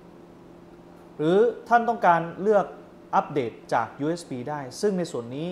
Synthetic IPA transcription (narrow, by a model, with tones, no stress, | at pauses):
ɾɯː˩˦t̪ʰa˥˩nt̪ɔ˥˩ŋkaː˧nlɯ˥˩ək̚ | ʔa˦˥p̚deː˨˩t̪̚t͡ɕaː˨˩k̚juː˧ʔeː˦˥spiː˧daː˥˩jsɯ˥˩ŋna˧jsu˨˩ənːiː˦˥